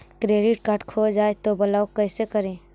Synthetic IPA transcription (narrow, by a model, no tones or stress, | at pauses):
kɾeːɖɪʈkaɾʈkʰoːd͡ʒaːet̪obɐlaːokəːsekəɾẽː